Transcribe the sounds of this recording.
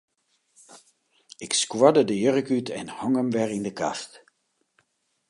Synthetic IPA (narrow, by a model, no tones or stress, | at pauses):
ɪkskwɔdədəjørəkytʰɛnhɔŋəmʋɛrɪndəka̰st